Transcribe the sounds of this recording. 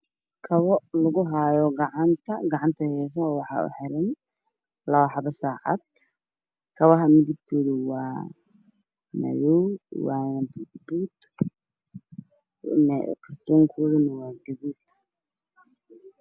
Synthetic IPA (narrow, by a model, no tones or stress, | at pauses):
kʰɐβɔlɐɣʊɦaːjɔɡɑʕɑnt̪ʰɐɡɑʕɑnt̪ʰɐhɛːs̬ɐwɑħɑ̰ːʊ̰ħɪɾɛn | lɐwaħɑβɐsaːʕɑ̰d̪̚ | kʰɐβɐɦɐmɪðib̚kʰuɽɪwɑː | mɐ̰jɔwwɑːnbbuːd̪ | nɛ̰kʰɐrt̪ʰɔːŋkʰuːðɪnɐwɑːɡɐðiːd̪̥